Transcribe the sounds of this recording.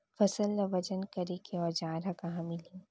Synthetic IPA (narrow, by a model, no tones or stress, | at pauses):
fɐsəlːɐʋɐd͡ʒənkɐɾekʰeɔːɾd͡ʒãːɾakɐɦãmɪlĩː